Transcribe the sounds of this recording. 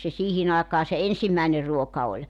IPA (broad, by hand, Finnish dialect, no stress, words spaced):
se siːhin ɑekɑː se ensimːæˑener ruokɑ olʲ